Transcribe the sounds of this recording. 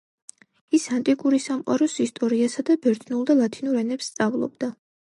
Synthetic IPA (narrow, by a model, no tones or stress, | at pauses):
isant̪ʼikʼuɾisamqʼa̰ɾɔsist̪ʼɔɾiasad̪abɛɾt̪ʰnulˠd̪alˠat̪ʰinuɾɛnɛpst̪sʼavlˠɔ̰bd̪a